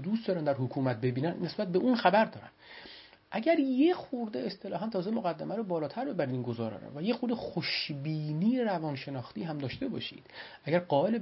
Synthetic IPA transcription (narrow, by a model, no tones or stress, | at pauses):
d̪ust̪d̪ɒːɾænd̪æɾhokʰuːmæt̪̚be̞biːnænːe̞sbæt̪̚be̞ʔunxæbæɾd̪ɒːɾæ̰m | ʔæɟæɾjexuɾd̪eest̪e̞lɒːhɦænt̪ʰɒːzemoɣæd̪ːæmæɾobɒːlɒːt̪ʰæɾbe̞bæɾid̪iːnɡozɒːɾɒ̰ːɾo̰væjexuɾd̪exoʃbiːniːjeɾævɒːnʃe̞nɒːxt̪iːɦæmd̪ɒːʃt̪e̞bɒ̰ːʃḭːd̪̥ʔæɟæɾɢɒːe̞le